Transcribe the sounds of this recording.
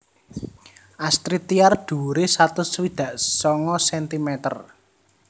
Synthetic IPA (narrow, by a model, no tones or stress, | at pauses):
ʔast̪ɾit̪iard̪̥ṳɾesat̪ʊswid̪̥ä̤ʔsɔŋɔsɛnt̪imɛt̪ə̰r